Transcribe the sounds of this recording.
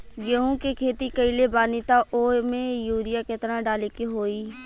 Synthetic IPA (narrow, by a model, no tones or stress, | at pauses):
ɡeɦũkekʰeːt̪ikəilebaːnit̪aʔoːmẽjuːɾɪjaket̪əɾaɖaːlekeɦoːiː